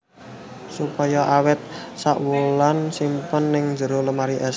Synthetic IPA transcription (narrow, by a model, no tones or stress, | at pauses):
supajɔʔawɪt̪̚saʔwulansimpənːɪŋn̥d͡ʒə̤ɾoləmaɾiʔɛs